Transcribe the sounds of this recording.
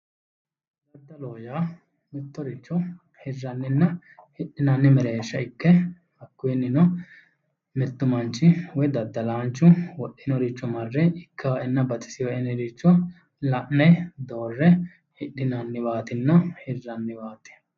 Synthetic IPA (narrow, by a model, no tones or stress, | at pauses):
d̪ɐd̪ːɐloːjaː | mɪt̪ːɔɾɪt͡ʃːɔ | hɪrːɐnːɪnːɐ | hɪɗːɪnɐnːɪmɛɾeːʃːɐɪkːɛ | ɐkːʊjɛnːɪnɔ | mɛt̪ːʊmɐnt͡ʃːɪwɔjd̪ɐd̪ːɐlaːnt͡ʃːʊwɔʔːɪnɔɾɪt͡ʃːɔmɐrːɛɪkʰːɐɛnːɐbɐt̪ɪ̥sɪjɔɛnːɪɾɪt͡ʃːɔ | lɐʔnɛd̪oːrːɛ | hɪɗɪnɐnːɪbaːt̪ɪnːɐhɪrːɐnːɪbaːt̪ːɪ̥